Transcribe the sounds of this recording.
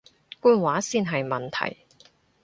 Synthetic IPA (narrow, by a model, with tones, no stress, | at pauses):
kuː˧nwaː˨˥siː˧nɦɐ˨jmɐ˨˩nt̪ʰɐ̰˨˩j